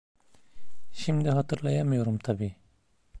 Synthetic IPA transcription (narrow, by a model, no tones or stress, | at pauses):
ʃimd̪iɦɑt̪ʰɯɾlˠajamɯjo̞ɾumt̪ʰabiː